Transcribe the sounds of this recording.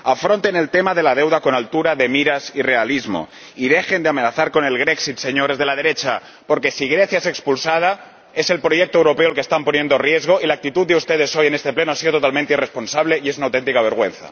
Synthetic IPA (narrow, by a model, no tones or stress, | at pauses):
afɾont̪e̞ne̞lt̪emaðe̞lað̞e̞wðako̞nalt̪uɾaðe̞miɾasire̞alizmo̞̰ | ið̞e̞xe̞nd̪eame̞naθaɾko̞ne̞lɣ̞ɾeksit̪se̞ɲoɾe̞zðe̞lað̞e̞ɾe̞t͡ʃa | po̞ɾke̞siɣ̞ɾe̞θjaese̞kspulsað̞a | e̞se̞lpɾo̞ʝek̚t̪oewɾo̞pe̞oalkest̪ampo̞nje̞nd̪o̞rje̞zɣ̞o̞ilak̚t̪it̪ud̪̚d̪eust̪e̞ð̞e̞so̞je̞nest̪e̞plenoasiðo̞t̪ot̪almẽnt̪eire̞spo̞nsaβle̞iesunawt̪ent̪ikaβ̞e̞ɾɣ̞wẽ̞n̟θa̰